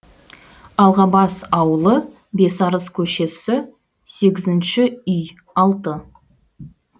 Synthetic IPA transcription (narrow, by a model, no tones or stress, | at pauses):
ɑlˠʁɑbɑsɑwəlˠə | be̞sɑɾəskʲʰɵʃe̞sɪ | se̞ɡʲɪzɪnʃɪʏj | ɑlˠt̪ə